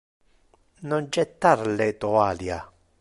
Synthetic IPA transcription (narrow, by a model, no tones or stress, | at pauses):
nond͡ʒɛt̪ːaɾlet̪oalja